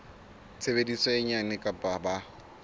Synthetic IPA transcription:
t͡sʰebedisɔɪɲanɪkʼapʼaba

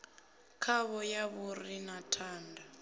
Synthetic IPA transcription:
kʰaβɔjaβurinatʰaːnda

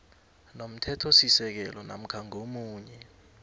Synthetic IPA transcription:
nom̩tʰɛtʰosisɛk̬ɛlɔna̰m̩kʰaŋomuːɲɛ

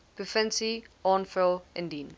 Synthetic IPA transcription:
pʰəfɛ̃nsiɔ̃nfɛlˠɛ̃ndiːn

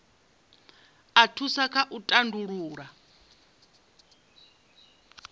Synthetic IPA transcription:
atʰusakʰaʔutʼanduɺuːɺa

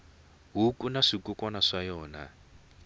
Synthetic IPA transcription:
ɦukunaʂikukɔnaʂajɔːna̰

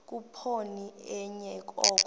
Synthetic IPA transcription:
k̬upʰoniɛɲɛk̬ʼɔːk̬

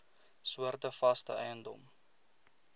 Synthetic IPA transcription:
suərtəfɐstə̰ʔœjəndɔ̰m

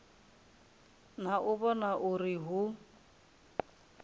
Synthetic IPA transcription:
n̤aʔʊβɔnaʔuriɦu

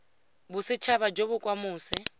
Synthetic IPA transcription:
busɪt͡ʃʰaβad͡ʒoβʊkʼwamuːsɛ

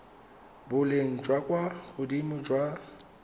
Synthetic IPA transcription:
bʊleŋ̩d͡ʒwakʼwahʊdimʊd͡ʒwa

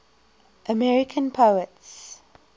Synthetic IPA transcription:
ʔəmɛɹɪkʰə̃npʰoʊəts

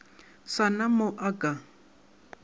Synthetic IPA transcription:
sanamʊʔakʼa

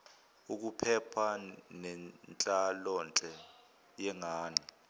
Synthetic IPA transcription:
uk̬upʰɛpʰanɛnt͡ɬʼalɔnt͡ɬʼɛ | jɛŋaːni

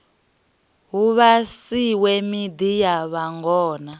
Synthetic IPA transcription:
ɦuβasiwɛmid̪ijaβaŋɡɔːna

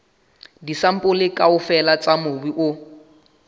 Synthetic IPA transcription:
disam̩pʼʊlɪkʼaʊfɛlat͡sʼamʊbiʔʊ

